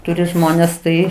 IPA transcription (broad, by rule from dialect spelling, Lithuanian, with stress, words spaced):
ˈtʊrʲɪ ˈʒmoːnʲeːs ˈtɐɪ